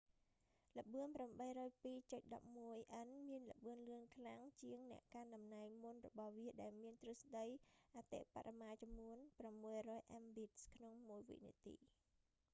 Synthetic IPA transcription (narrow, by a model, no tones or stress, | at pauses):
lə̆ɓɨənpramɓəjrɔːjpiːt͡ɕot̪̚ɗɑ̰p̚muəjʔənmiənlə̆ɓɨənlɨənkʰlaŋt͡ɕiəŋnɛ̆əʔkanɗɑmnaɛŋmunrɔɓɑhʋiəɗaɛlmiənt̪rɨəsɗəjʔat̪ḛʔpa̰ɾʔamaːt͡ɕɑmːuənpramːuəjrɔːjʔambit̪̚skʰnoŋmuəjʋḭʔnḭət̪ḭː